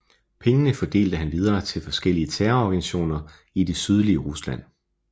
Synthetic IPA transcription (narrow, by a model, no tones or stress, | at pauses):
pʰeŋənəfɒ̽d̥e̝̰ːld̥əɦænʋið̞ˠɐːt͡sʰe̝lfɒ̽sɡ̥el̰iət͡sʰeːɐɒɡ̥ænsɕo̝̰ːnɐ | id̥e̝syð̞ˠliəʁuslæn̰